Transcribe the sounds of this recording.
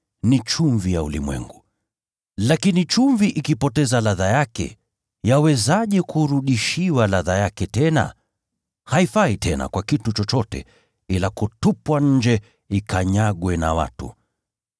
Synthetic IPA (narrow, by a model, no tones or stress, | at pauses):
nit͡ʃuɱvijaṵlḭmwɛ̰ŋɡu | lakinit͡ʃuɱviʔikipɔtɛzalaðajakɛ̰ | jawɛzaʄɛkuɾuɗiʃiwalaðajakɛtɛna̰ | haifaitʰɛna̰kwakitut͡ʃɔt͡ʃɔtɛ̰ | ilakutupwaɲ̩d͡ʒɛ | ikaɲaɠwɛna̰wa̰tṵ